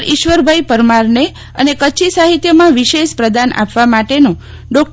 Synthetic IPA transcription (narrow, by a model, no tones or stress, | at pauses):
ɾiʃʋəɾbʱajpəɾmaɾne | ə̰nekət͡ʃʰisaɦit̪jəmãʋiʃeʃpɾəd̪anʔa̰pʋamaʈenõ | ɖɔk̚